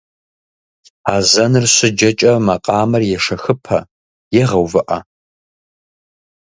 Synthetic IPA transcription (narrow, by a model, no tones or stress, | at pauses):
aːzɐnɨrɕʷɪd͡ʒɐt͡ʃʼɐmɐqʼɑːmɐrjɛʂɐxɨpʰɐ̰ | jɛʁɐwvɨʔɐ